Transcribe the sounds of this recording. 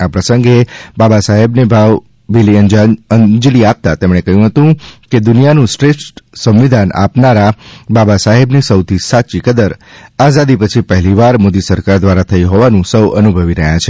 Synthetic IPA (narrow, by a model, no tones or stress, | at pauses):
apɾəsə̃ŋɡebabasaɦebnebʱaʋ | biliənd͡ʒəd͡ʒliap̚t̪at̪emɽ̃ekəɦjũɦət̪ũked̪ʊnijanũsʈɾesʈsə̃mʋid̪ʱanʔa̰pnaɾababasaɦebnisəwt̪ʰisat͡ʃikəd̪əɾazad̪ipət͡ʃʰipəɦɛliʋaɾmod̪isəɾkaɾd̪ʋaɾat̪ʰəiɦɔʋanũsəwənubʱəʋiɾəɦjat͡ʃʰe